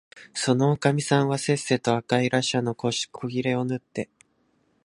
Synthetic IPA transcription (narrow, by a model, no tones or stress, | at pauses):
so̞no̞ːkamʲisãɰ̃βase̞se̞ːt̪o̞akaiɾaɕano̞ko̥kʰoɡʲiɾe̞o̞nɯt̪ːe̞